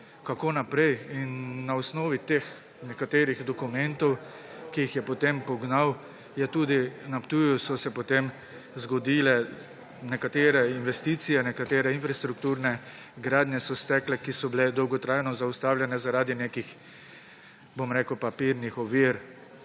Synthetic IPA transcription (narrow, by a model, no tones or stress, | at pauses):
kakoːnapɾɛjinːaɔsnɔːʋit̪ex | nɛkat̪eːɾiɣd̪ɔkumɛnt̪ɔw | kijixjɛpɔt̪empɔɡnaw | jɛt̪uːd̪inapt̪uːjusɔsɛpɔt̪em | zɡɔd̪iːlɛ | nɛkat̪eːɾɛinʋɛst̪iːt̪sijɛnɛkat̪eːɾɛinfɾast̪ɾuk̚t̪uɾnɛ | ɡɾaːd̪njɛsɔst̪ɛklɛkisɔbilɛd̪ɔwɡɔt̪ɾajnɔzaust̪aːwlʲjɛnɛzaɾaːd̪ineːkix | bomɾeːkəwpapiɾnixɔʋiɾ